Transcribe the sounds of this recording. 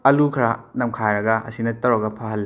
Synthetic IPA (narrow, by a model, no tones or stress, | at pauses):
ɐlukʰɾanɐmkʰajɾɐɡɐʔɐ̰sinɐtɐwɾɐɡɐpʰaɦɐlː